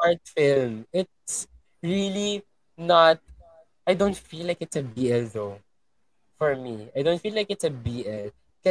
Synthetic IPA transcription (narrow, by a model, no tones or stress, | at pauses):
aɹt̪fɪlmɪt̪̚s | ɹili | nat̪̚ | ajdõʊ̃nt̪filajkɪtsəbiɛlðoʊ | fɔɹmiajd̪õʊnt̪filaɪkɨtsəbiɛl | kɛ